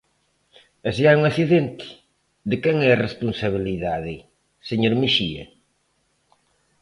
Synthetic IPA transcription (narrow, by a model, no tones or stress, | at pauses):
eseauŋaθiðent̪ɪ̥ | ðɪkɛŋɛrespunsaβ̞iliðaðɪ | seɲoɾmiʃiɐ̰